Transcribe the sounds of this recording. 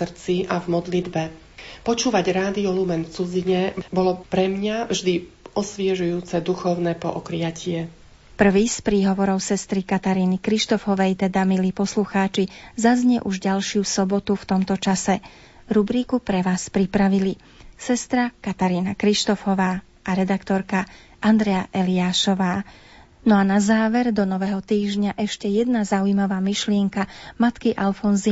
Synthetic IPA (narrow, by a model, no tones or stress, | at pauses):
rt͡siʔavmɔd̪lid̪bɛ | pɔt͡ʃuːʋaɟɾaːd̪iɔlumɛnft͡sud͡ziɲɛbɔlɔpɾɛmɲavʒd̪iɔsʋɪɛʒujuːt͡sɛd̪uxɔʊnɛpɔʔɔkɾɪacɪɛ | pr̩ʋiːspɾiːɦɔʋɔɾɔʊsɛst̪ɾikat̪aɾiːnikɾiʃt̪ɔfɔʋɛjt̪ɛd̪amiliːpɔsluxaːt͡ʃizazɲɛʔuʒɟalʃɪusɔbɔt̪uft̪ɔmt̪ɔt͡ʃasɛ | ɾubɾiːkupɾɛʋaːspɾipɾaʋili | sɛst̪ɾakat̪aɾiːnakɾiʃt̪ɔfɔʋaː | ʔaɾɛd̪akt̪ɔɾka | ʔand̪ɾɛjaʔɛliaːʃɔʋaː | nɔanazaːʋɛɾd̪ɔnɔʋɛɦɔt̪iːʒɲaʔɛʃcɛjɛd̪nazaujmaʋaːmiʃlɪɛŋkamat̪kiʔalfɔnzi